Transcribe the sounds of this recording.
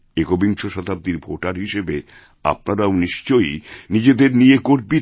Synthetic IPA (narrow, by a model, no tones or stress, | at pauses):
eɡobiŋʃoʃɔd̪ʱab̚d̪iɾbʱoʈaɾɦiʃebe | a̰p̚naɾaoniʃt͡ɕojnid͡ʑed̪eɾniekoɾbi